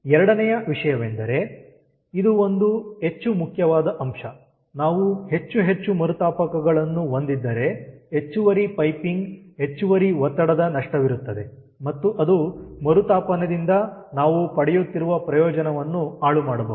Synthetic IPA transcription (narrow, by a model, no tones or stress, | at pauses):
ɛɾɐɽɐnɛjɐʋiʂɐjɐʋend̪ɐɾe̞ | id̪uo̞nd̪uɦe̞t͡ʃːumukʰjɐʋaːd̪ɐʔɐmʂɐ | naːʋuhe̞t͡ʃːuɦe̞t͡ʃːumɐɾut̪aːpɐkɐɡɐɭɐnːuond̪id̪ːɐɾee̞t͡ʃːuʋɐɾipɐjpiŋɡɦe̞t͡ʃːuʋɐɾiʋɔt̪ːɐɽɐd̪ɐnɐʂʈɐʋiɾut̪ːɐd̪e̞ | mɐt̪ːuʔɐd̪umɐɾut̪aːpɐnɐd̪ind̪ɐnaːʋupɐɽɛjut̪ːiɾuʋɐpɾɐjɔːd͡ʒɐnɐʋɐnːuaːɭumaːɽɐbɐ̰u